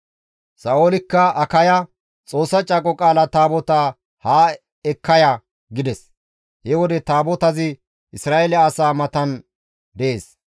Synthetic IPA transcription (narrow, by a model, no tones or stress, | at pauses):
sɐoːlɪkːɐɐkɐjɐ | t͡sʼo̞ːsːɐt͡ʃʼɐkʼɔkʼaːlɐt̪aːbɔt̪aː | haː | ɛkːɐjɐ | ɡɪd̪ɛs | hɛwɔd̪ɛt̪aːbɔt̪ɐzɪ | ʔɪsɾaːelɛɐsaːmɐt̪ɐn | d̪ɛʔeːs